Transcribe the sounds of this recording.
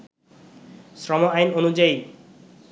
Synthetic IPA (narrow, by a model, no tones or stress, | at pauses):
sɾɔmoajnonud͡ʑaj